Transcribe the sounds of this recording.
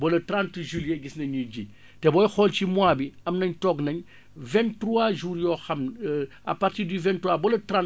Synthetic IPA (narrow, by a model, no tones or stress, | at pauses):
bɔlɐtɾãntʒiljɛɡisnɐɲuɟi | tɛbɔjxɔlcimwaːbiɐmnɐɲtɔɡnɐɲ | vɛntɾuaʒuːɾjɔːxɐm | ɐ̰pːartiːɾdyvɛntuabɔlɐtɾan